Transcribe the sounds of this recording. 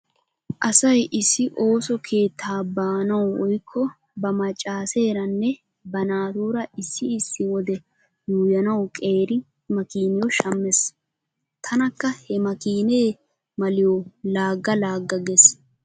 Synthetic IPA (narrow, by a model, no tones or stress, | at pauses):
ʔɐsɐjʔɪsːɪʔo̞ːsɔkʰeːt̪ʰːaːbaːnɐwwɔjkʰːɔ | bɐmɐt͡ʃʼːaːse̞ːɾɐnːɛ | bɐnaːt̪uːɾɐʔɪsːɪɪsːɪwɔd̪ɛ | juːjɐnɐwkʼe̞ːɾɪ | mɐkiːnɪjɔʃɐmːɛs | t̪ʰɐnɐkːɐhɛmɐkiːneː | mɐlɪjɔlaːɡːɐlaːɡːɐɡɛs